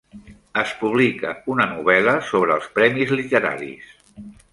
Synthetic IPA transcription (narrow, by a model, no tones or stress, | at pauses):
əspuβlikə̰unənuβ̞ɛləsoβɾəːlˠspɾɛmizlit̪əɾa̰ɾḭs